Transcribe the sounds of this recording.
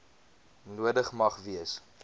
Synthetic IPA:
nuədəχmɐχviəs

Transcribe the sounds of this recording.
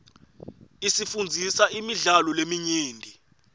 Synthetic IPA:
isifund͡zʱisaimiɮalɔlemiɲiːndʱi

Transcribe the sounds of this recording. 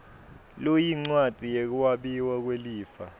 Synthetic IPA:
lojiŋ͡ǀwat͡sʼijek̬uwaɓiwak̬weliːfa

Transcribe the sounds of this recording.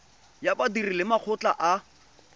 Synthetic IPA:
jabadirilɪmak͡xʰʊt͡ɬʼa̰ʔa

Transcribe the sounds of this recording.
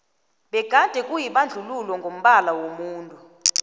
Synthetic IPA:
ɓɛɡ̥ʱad̥ʱɛkʼujiɓand͡ɮʱululwɔŋɡʱom̩ɓalawomuːntʼu

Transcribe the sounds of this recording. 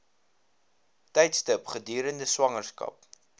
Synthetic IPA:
tɛjtstəpχədyːɾəndəswɐŋərskɐ̰p̚

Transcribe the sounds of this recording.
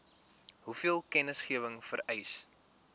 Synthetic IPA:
ɦufiəlˠkɛnəsχiəvəŋfəɾɛjs

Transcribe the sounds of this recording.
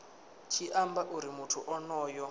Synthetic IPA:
t͡ʃʰiʔambaʔuɾimutʰuʔɔnɔːjɔ

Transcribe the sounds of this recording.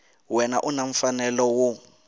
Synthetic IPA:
wɛnaʔunaɱ̩fanɛlɔwu

